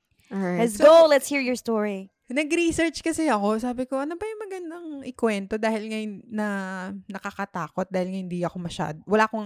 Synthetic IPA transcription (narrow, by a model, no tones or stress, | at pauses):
ɛssɡolɛt̪shiːɹjɔɹst̪ɔɹi | nɐɡɾisɛɹt͡ʃkɐsɛɐko̞saːbɪko̞ʔɐnobɐjʊŋmɐɡɐnd̪ɐŋʔɪkwɛnt̪o̞d̪aːhɪlŋɐjnnɐnɐkɐkɐt̪aːkot̪̚d̪aːhɪlŋɐhɪnd̪iɐko̞mɐʃa̰d̪owɐlaːʔkoŋ